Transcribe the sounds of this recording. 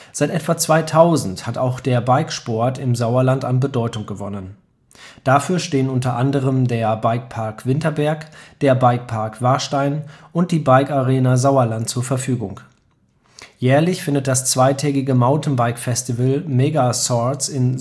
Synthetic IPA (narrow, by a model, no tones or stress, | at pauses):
z̥aɪtʔɛtv̥at͡sv̥aɪtʰaʊzn̩thataʊxd̥eːɐbaɪkʃpɔɐtɪmzaʊɐlantanbədɔʏtʊŋɡ̥əvɔ̰nən | d̥afyːɐʃteːənʊntɐʔandəʁəmdeːɐbaɪk̚pʰaɐkv̥ɪntɐbɛɐkd̥eːɐbaɪk̚pʰaɐkv̥aɐʃtaɪnʔʊnt̚d̥iːbaɪkaʁeːnazaʊɐlant̚t͡suːɐfɛɐfyːɡʊŋ | jɛːɐlɪçfɪndət̚d̥ast͡sv̥aɪtʰɛːɡɪɡəmaʊntn̩baɪkfɛstivəlmɛɡasɔt͡sɪn